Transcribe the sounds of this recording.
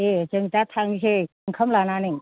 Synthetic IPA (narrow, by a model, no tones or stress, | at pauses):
et͡ʃəŋt̪at̪ʰaŋsʰe | ŋkʰəmlananiŋ